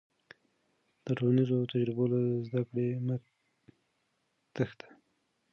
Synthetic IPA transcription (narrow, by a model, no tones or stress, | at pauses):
d̪̥əʈolanizot̪ad͡ʒɾɪbolazd̪akɽemə | t̪əxd̪ḁ